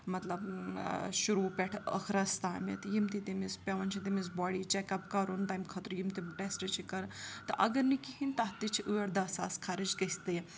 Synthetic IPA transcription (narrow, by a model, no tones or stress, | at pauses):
mɐt̪lɐb | ʃuɾupʲɛʈʰə̰kʰɾɐst̪aːmḛt̪jimt̪it̪imispʲeʋɐnt͡ʃʰit̪imisbɔːɽit͡ʃɛkɐpkɐɾont̪aːjmkʰɐt̪ɾujimt̪iʈesʈɐt͡ʃʰikɐɾt̪ɐʔɐɡɐɾnikihint̪ɐɦt̪it͡ʃʰiʔuʋeɾd̪ɐsa̰ːskʰaɾid͡ʒkɐsʲt̪ɐj